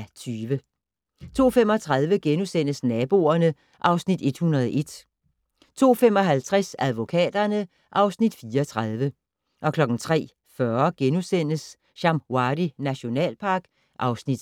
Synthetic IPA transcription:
t͡sʰyːʋə | t͡sʰo̝̰ːfem̰ɒ̽t͡sʰʁɑ̈ðˠʋəɡ̥enusen̰əsnɛːb̥o̝ːɐnə | ʔɑ̈ʊsnid̥e̝d̥hunɐð̞ˠɒʔe̝d̥ | t͡sʰo̝̰ːfem̰ɒ̽ɦælt͡sʰʁasæð̞ˠʋo̝kʰɛ̰ːd̥ɐnə | ʔɑ̈ʊsnid̥fiːɒt͡sʰʁɑð̞ˠʋə | ʔɒ̽kʰlɒ̽ɡ̥n̩t͡sʰʁɛ̰ː | fɶɐɡ̥enusen̰əs | ɕɑ̈mwɑdinæɕo̝nɛ̰ːlpʰɑ̈ːɡ̥ | ʔɑ̈ʊsnid̥

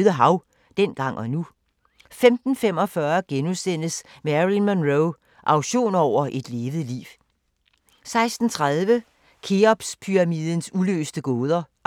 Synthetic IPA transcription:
ðˠəɦɑ̈ʊ | d̥en̰ɡ̥ɑ̈ŋ̰ɒ̽nu | femd̥n̩femɒ̽fɶɐɡ̥enusen̰̥əsmeæʁinmænʁoʊ | ʔɑ̈ʊɕo̝̰ːnɒʊ̰ɐʔe̝d̥le̝ːʋð̩ˠlḭːʊ | sɑ̈ɪsd̥n̩t͡sʰʁað̞ˠʋə | kʰeɒb̥spʰyʁɑmiːð̰ˠən̩sulø̰ːsd̥əɡ̥ɔːðˠɐ

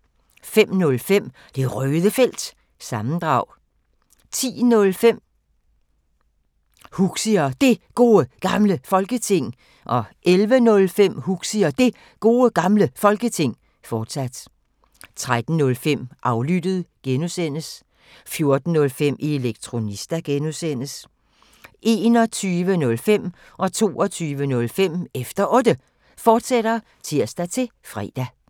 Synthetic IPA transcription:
fem̰nɔ̽lfem̰ | d̥e̝ʁœːðˠəfel̰d̥ | sɑ̈mn̩d̥ʁɑ̈ʊ̰ | t͡sʰḭːnɔ̽lfem̰ | huɡ̥siɐd̥e̝ɡ̥o̝ːəɡ̥ɑ̈mləfɒ̽lɡ̥ət͡sʰe̝ŋ̰ | ʔɒ̽ʔelʋənɔ̽lfem̰huɡ̥siɐd̥e̝ | ɡ̥o̝ːəɡ̥ɑ̈mləfɒ̽lɡ̥ət͡sʰe̝ŋ̰ | fɒːd̥sæd̥ | t͡sʰʁad̥n̩nɔ̽lfem̰ʔɑ̈ʊlyd̥əð̩ˠɡ̥enusen̰əs | fjo̝ɐd̥n̩ːɔ̽lfem̰ieleɡ̥̚t͡sʰʁo̝nisd̥æɡ̥enusen̰əs | ʔe̝ːnɒ̽t͡sʰyːʋənɔ̽lfem̰ | ʔɒ̽t͡sʰo̝̰ːɒ̽t͡sʰyːʋənɔ̽lfem̰efd̥ɐʔɔ̽ːd̥ə | fɒːd̥sed̥ɐ | t͡sʰiɐ̰sd̥æt͡sʰe̝fʁɛ̰ːd̥æ

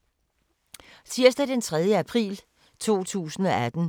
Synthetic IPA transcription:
t͡sʰiɐ̰sd̥æd̥ent͡sʰʁɛð̞ˠjəæpʰʁḭːl | t͡sʰo̝̰ːt͡sʰṵːsn̩ɒ̽ʔæd̥n̩

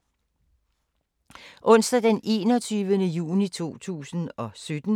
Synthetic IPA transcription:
ʔɔ̽n̰sd̥ɐd̥ene̝̰ːnɒt͡sʰyːʋənəjṵːnit͡sʰo̝̰ːt͡sʰṵːsn̩ɒ̽sød̥n̩

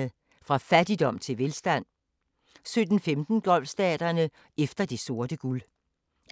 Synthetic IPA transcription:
ə | fʁɑ̈fæd̥id̥ɒ̽m̰t͡sʰe̝lʋe̝lsd̥æn̰ | sød̥n̩femd̥n̩ɡ̥ɒ̽l̰fsd̥ɛ̰ːd̥ɐnə | efd̥ɐd̥e̝so̝ɐd̥əɡ̥ul

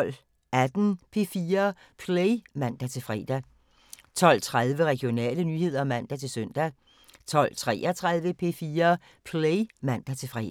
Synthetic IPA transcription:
l̰ | æd̥n̩pʰe̝fiːɐ | pʰleɪmæn̰d̥æt͡sʰe̝lfʁɛ̰ːd̥æ | t͡sʰɒ̽l̰t͡sʰʁaðˠʋəʁɛɡ̥jo̝nɛ̰ːlənyːhe̝ð̰ˠɐmæn̰d̥æt͡sʰe̝lsœn̰d̥æ | t͡sʰɒ̽l̰t͡sʰʁɛ̰ːʔɒt͡sʰʁað̞ˠʋəpʰe̝fiːɐ | pʰleɪmæn̰d̥æt͡sʰe̝lfʁɛ̰ː

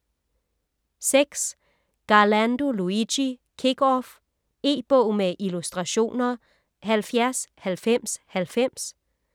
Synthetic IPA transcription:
seɡ̥s | ɡ̥ɑ̈lænd̥oluiɕi | kʰeɡ̥ɒf | e̝̰ːb̥ɔʊ̰meʔilusd̥ʁɑ̈ɕo̝̰ːnɐ | ɦælfjæɐshælfem̰shælfem̰s

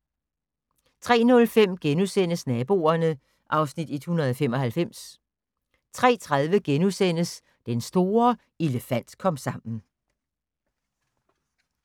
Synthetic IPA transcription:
t͡sʰʁɛ̰ːnɔ̽lfem̰ɡ̥enusen̰əsnɛːb̥o̝̰ːɐnə | ʔɑ̈ʊsnid̥e̝d̥hunɐð̞̩ˠfem̰ɒ̽hælfem̰s | t͡sʰʁɛ̰ːt͡sʰʁað̞ˠʋəɡ̥enusen̰əs | d̥ensd̥o̝ːɐ | eləfæn̰d̥kʰɒ̽m̰sɑ̈m̰n̩

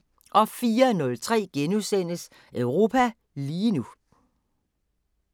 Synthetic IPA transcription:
ʔɒ̽fiːɐnɔ̽lt͡sʰʁɛ̰ːɡ̥enusen̰əs | œʊʁo̝ːpʰæ | liːnu

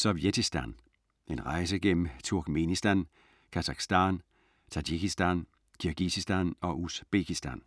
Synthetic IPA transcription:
sɒʋjet͡sʰisd̥æn | e̝nʁɑ̈ɪs̬əɡ̥en̰m̩t͡sʰuɐɡ̥me̝nisd̥æn | kʰæsɑ̈ɡ̥sd̥æn | t͡sʰɑdikisd̥æn | kʰyɐɡ̥isisd̥ænɒ̽ʔusb̥ekʰisd̥æn

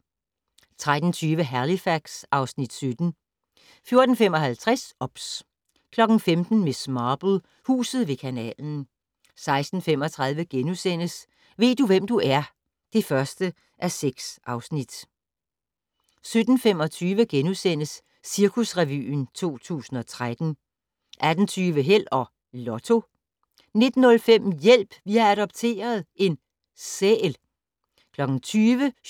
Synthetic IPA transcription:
t͡sʰʁad̥n̩t͡sʰyːʋəɦælifæɡ̥sɑ̈ʊsnid̥sød̥n̩ | fjo̝ɐd̥n̩fem̰ɒ̽ɦælt͡sʰʁasɒ̽b̥s | kʰlɒ̽ɡ̥n̩femd̥n̩me̝smɑːb̥l̩ˠ | hṵːsð̞̩ˠʋe̝kʰænɛ̰ːln̩ | sɑ̈ɪsd̥n̩fem̰ɒ̽t͡sʰʁɑ̈ð̞ˠʋəɡ̥enusen̰əs | ʋe̝̰ːd̥uʋem̰d̥uʔæɐ | d̥e̝fɶɐsd̥ə | ʔæseɡ̥sʔɑ̈ʊsnid̥ | sød̥n̩fem̰ɒ̽t͡sʰyːʋəɡ̥enusen̰əsː | iɐkʰusʁɛʋy̰ːnt͡sʰo̝̰ːt͡sʰṵːsn̩ɒ̽t͡sʰʁad̥n̩ | ʔæd̥n̩t͡sʰyːʋəɦel̰ɒ̽ | lɒt͡sʰo̝ | ne̝d̥n̩ːɔ̽lfem̰jel̰b̥ʋiææɾ̥ɒ̽b̥̚t͡sʰe̝̰ːɐð̞ˠe̝n | seːl | kʰlɒ̽ɡ̥n̩t͡sʰyːʋə

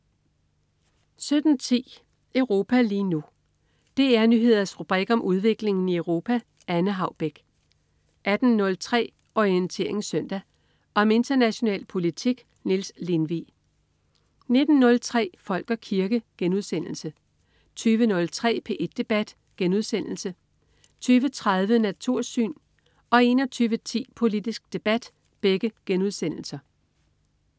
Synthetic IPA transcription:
sød̥n̩t͡sʰḭː | əʊʁo̝ːpʰæliːnu | d̥e̝æɐnyɦe̝ð̰ˠɐsʁub̥ʁiɡ̥ɒ̽mʔuð̞ˠʋe̝ɡ̥le̝ŋn̩iəʊʁo̝ːpʰæ | ʔænəɦɑ̈ʊb̥eɡ̥ | ʔæd̥n̩ːɔ̽lt͡sʰʁɛ̰ː | ɒiənt͡sʰe̝̰ɐe̝ŋ̩sœn̰d̥æ | ʔɒ̽me̝nd̥ɐnæɕo̝nɛ̰ːlpʰo̝lit͡sʰiɡ̥ | nilsle̝nʋḭ | ne̝d̥n̩ːɔ̽lt͡sʰʁɛ̰ːfɒ̽l̰ɡ̥ɐkʰiɐɡ̥əɡ̥enuðˠsen̰l̩sə | t͡sʰyːʋənɔ̽lt͡sʰʁɛ̰ːpʰe̝ʔe̝d̥ːe̝b̥æd̥ | ɡ̥enuð̞ˠsen̰l̩sə | t͡sʰyːʋət͡sʰʁaðˠʋənæt͡sʰuɐ̰sy̰ːn | ɒ̽e̝nɒt͡sʰyːʋət͡sʰḭːpʰo̝lid̥isɡ̥̚d̥e̝b̥æd̥ | b̥eɡ̥əɡ̥enuð̞ˠsen̰l̩sɐ

